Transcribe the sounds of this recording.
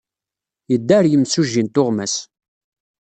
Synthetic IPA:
jəd̪ːæɾjəmsuʒːint̪ʊʁmæs

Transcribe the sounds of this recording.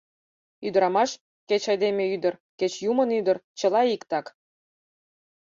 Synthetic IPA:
yd̪əɾɑmɑʃ | ket͡ɕɑjd̪emʲeyd̪ərket͡ɕjumənyd̪ərt͡ɕə̆lɑikt̪ɑk

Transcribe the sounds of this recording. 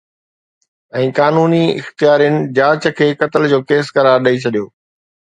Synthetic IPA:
ɛ̃ːkaːnuːniɪ̰xt̪ijaːɾijənɪ̆d͡ʑaːt͡ɕəkʰeːkɐt̪əld͡ʑoːkeːskɐɾaːɾɗɐit͡ɕʰɐɗijoː

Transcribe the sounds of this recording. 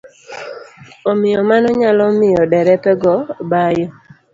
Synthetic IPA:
omɪjɔmanɔɲalɔmɪjɔdɛɾɛpɛɡɔbajɔ

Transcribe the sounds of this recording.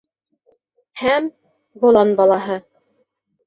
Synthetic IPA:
hæm | bŏlˠɑnbɑlˠɑɦɤ

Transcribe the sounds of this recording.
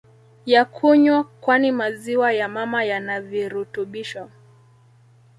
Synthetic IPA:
jakʰuɲwakwanimaziwajamamajanaviɾutuɓiʃa

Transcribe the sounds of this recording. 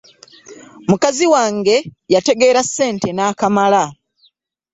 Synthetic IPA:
mukaziwaːŋɡe̞jate̞ɡe̞ːɾasːe̞ːnte̞naːkamala

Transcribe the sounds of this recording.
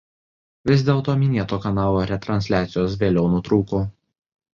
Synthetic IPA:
ʋʲɪz̬ʲd̪ʲeːlˠt̪oːmʲɪnʲeɛt̪oːkɐnɑːlˠoːɾʲɛt̪ɾɐnʲsʲlʲæːt̪sʲɪjoːsʋʲeːlʲɛʊnʊt̪ɾuːkuː

